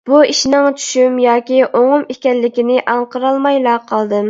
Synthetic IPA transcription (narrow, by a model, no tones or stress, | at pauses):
b̥uiʃnɪŋt͡ʃʰy̥ʃymjɑːkʲiʔoŋʊmikʲɛlːɪkʲinɪʔɑɴqəɾɑlˠmɑjlˠɑqʰɑlˠd̪ɨm